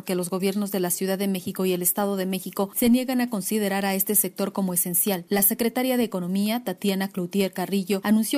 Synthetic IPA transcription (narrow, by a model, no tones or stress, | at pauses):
ɾke̞lo̞zɣo̞βje̞ɾno̞zðe̞lasjuð̞aðːeme̞xiko̞ie̞le̞st̪að̞o̞ðe̞me̞xiko̞se̞nje̞ɣanako̞nsið̞e̞ɾaɾae̞st̪e̞se̞k̚t̪o̞ɾko̞mo̞e̞se̞nsjalːase̞kɾe̞t̪aɾjaðeːko̞no̞miat̪at̪janaklowt̪je̞ɾkariʝo̞anũnsjo̞